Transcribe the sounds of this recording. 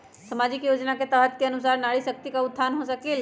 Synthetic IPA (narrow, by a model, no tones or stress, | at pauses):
sɐmaːd͡ʑɪkjoːd͡ʒnaket̪əɦət̪̚keənusaːɾnaɭisək̚t̪ikaʊt̪̚ʰːsaːnɦosɐkeːl